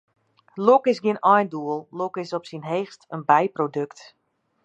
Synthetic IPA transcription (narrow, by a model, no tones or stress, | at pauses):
lokɪsɡɪənɔjnduəlˠlokɪsɔpsinɦeːxstənbɛjprodøkt